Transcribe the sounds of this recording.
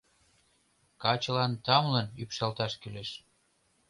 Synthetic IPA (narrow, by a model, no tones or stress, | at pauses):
kɑt͡ɕə̆lɑnt̪ɑmlənypʃɑlt̪ɑʃkyleʃ